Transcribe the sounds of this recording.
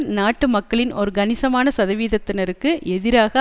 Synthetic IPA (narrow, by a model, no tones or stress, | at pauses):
naːʈːɯmɐkːɐɭɪnɔɾɯɡɐnɪsɐmaːnɐsɐðɐʋiːðɐt̪ːɪnɐɾɯkːɯɛðɪɾaːɣɐ